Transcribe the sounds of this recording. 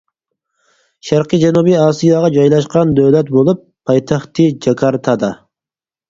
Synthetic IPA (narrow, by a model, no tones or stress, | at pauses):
ʃæɾqid͡ʒɛnubiɑːsijɑʁɑd͡ʒɑjlˠɑʃqɑnd̪øwlɛt̪bolˠupʰːɑjt̪ʰɑχt̪ɨd͡ʒɑkʰɑɾt̪ʰɑd̪ɑ